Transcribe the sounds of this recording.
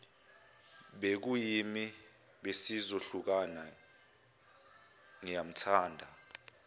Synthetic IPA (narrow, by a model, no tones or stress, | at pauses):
ɓek̬ujimi | ɓesizoɬuk̬ana | ŋijam̩tʰaːndʱa